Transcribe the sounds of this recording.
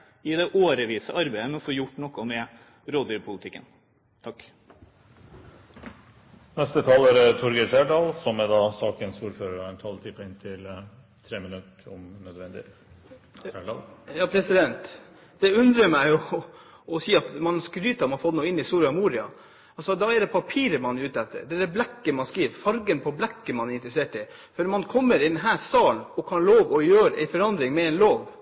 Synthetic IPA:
ɪd̪ɛʔoːɾəʋiːsəʔɑɾbæɪəmɛnɔfoːjʊʈːnɔkːɔmɛ | ɾoːd̪ɪɾpʰʊlɪt̪ʰɪkːə̰n | t̪ʰɑkː | nɛst̪ət̪ʰɑːlæɾt̪ʰɔɾɡətæɖɑːlsɔmæd̪ɑːsɑːkənsuːɾføːɾəɾɛnt̪ʰɑlt̪ʰɪpːɪnt̪ʰɪl | t̪ʰɾeːmənʉt̪ɔmnœd̪ʋɛnd̪ɪ̰ | æɖɑːljɑːpʰɾɛsɪd̪ɛnt̪ | d̪̥ɛʉnd̪ɾəmæɪʊ | ɔsiːɑt̪mɑnskɾyːt̪ɑɾmɑfɔt̪ːnuːəɪnːɪsuːɾɪɑmuːɾɪɑ̰ | ɑlsɔd̪ɑɛd̪ɛpʰɑpʰiːɾəmɑnjʉːt̪ɛt̪ːə̰ɾɖ̪ɛd̪ɛblɛkːəmɑnskiːʋfɑɾɡənpʰɔblɛkːəmɑnɛɾɪnt̪ɾəseːʈɪ | fɔɾmɑnkʰɔmːəɾɪd̪ɛnɦæːst̪ɑːlnɔkʰɑnloːʋɔjøːɾʔæ̰ɪfɔɾɑnd̪ɾɪŋmɛɛɪnloːʋ

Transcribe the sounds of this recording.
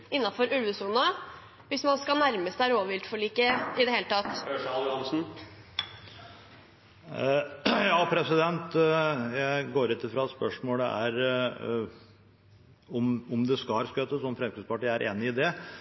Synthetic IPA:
ɪnːɑfɔɾʉlʋʉsuːnɑ | ʋɪsmɑnskɑnæɾməsd̪æɾoːʋəʋɪlt̪fɔɭiːkəɪd̪ɛheːlət̪ʰɑt̪ːɑnsn̩ | jɑːpʰɾɛsɪd̪ɛnt̪jæɪɡoːɾɪt̪ːəfɾɑɛt̪spœʂmoːləæ̰ɾ | ɔmɔmd̪ɛskɑskøːt̪əsɔmfɾɛmkɾɪd̪spɑʈiːæɾʔḛːnɪɪd̪ɛ

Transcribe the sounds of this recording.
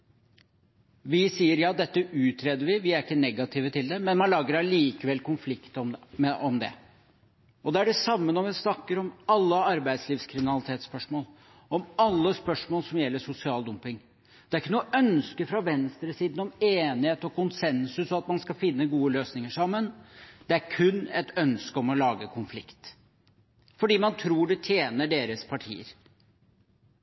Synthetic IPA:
ʋɪsiːəɾjɑːd̪ɛt̪ːəʉːt̪ʰɾeːd̪əɾʋɪʋɪæɾɪkːənɛɡɑt̪ʰiːʋət̪ʰɪld̪ɛmɛnmɑnlɑːɡəɾæliːkəʋɛlːkʊnflɪkt̪ɔmmɛʔɔmd̪ɛ̰ | ɔd̪ɛæɖɛsɑmːənɔʋɪsnɑkːəɾɔmɑlːəɑɾbæɪd̪sliːʋskʰɾɪmɪnɑlɪt̪ʰeːt̪spœʂmoːl | ɔmɑlːəspœʂmoːlsɔmjɛlːəʂʊsɪɑːld̪ʊmpɪŋ | d̪̥ɛæɾɪkːənuːəʔœnskəfɾɑʋɛnst̪ɾəsiːd̪n̩ɔmeːnɪheːt̪ɔkʊnsɛnsʉsɔɑt̪mɑnskɑfɪnːəɡuːəløːsnɪŋəʂɑmːənd̪̥ɛæɾkʰʉnːɛt̪œnskəɔmɔlɑːɡəkʰʊnflɪkt̪ | fɔɖiːmɑnt̪ʰɾuːɖɛt̪ʰjeːnəɖeːɾəspʰɑʈʰḭːə̰ɾ

